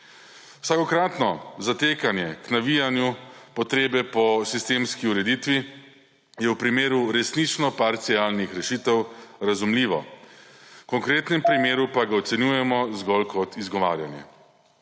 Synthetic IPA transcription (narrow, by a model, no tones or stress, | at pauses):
wsakɔkɾaːt̪nɔzat̪eːkanjɛknaʋijanjupɔt̪ɾeːbɛpɔsist̪eːmskiuɾɛd̪it̪ʋi | jɛwpɾimeːɾuɾɛsnit͡ʃnɔpaɾt̪siaːlnixɾɛʃiːt̪ɛwɾazumliːʋɔ̰ | kɔŋkɾeːt̪nɛmpɾimeːɾupaɡaɔt̪sɛnjuːjɛmɔzɡɔlkʰɔt̪izɡɔʋa̰ːɾja̰njɛ̰